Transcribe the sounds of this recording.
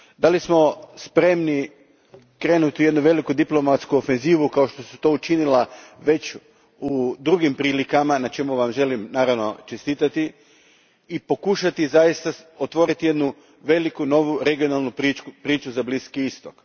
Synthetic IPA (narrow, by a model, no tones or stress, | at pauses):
d̪alismo̞spɾe̞mni | kɾe̞ːnut̪ije̞d̪nuʋe̞likud̪iplˠo̞mat̪skuofe̞nziːʋukaoʃt̪o̞sut̪o̞ːut͡ʃinilaʋe̞t͡ɕ | ud̪ɾuɡimpɾiːlikamanat͡ʃe̞muʋamʒe̞limnaːɾaʋno̞t͡ʃest̪iːt̪at̪i | ipo̞kuʃat̪izajist̪aot̪ʋo̞ːɾit̪ije̞d̪nu | ʋe̞likuno̞ʋuɾe̞ɡio̞nalˠnupiupɾiːt͡ʃuzabliskiist̪ok